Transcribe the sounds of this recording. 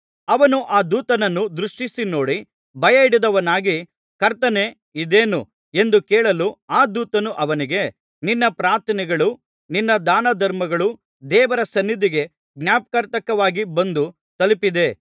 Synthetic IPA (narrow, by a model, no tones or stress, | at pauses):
ɐʋɐnuʔaːd̪uːt̪ɐnɐnːud̪ɾuʂʈisino̞ːɽi | bʱɐjɐiɽid̪ɐʋɐnaːɡi | kɐɾt̪ɐne̞ | id̪eːnu | e̞nd̪ukɛːɭɐluaːd̪uːt̪ɐnuʔɐʋɐniɡe̞ | ninːɐpɾaːɾt̪ʰɐnɛɡɐɭu | ninːɐd̪aːnɐd̪ɐɾmɐɡɐɭu | d̪ɛːʋɐɾɐsɐnːid̪ʱiɡe̞ | ɡnʲaːp̚ɐkɐɾt̪ɐkɐʋaːɡibɐnd̪u | t̪ɐlipid̪e̞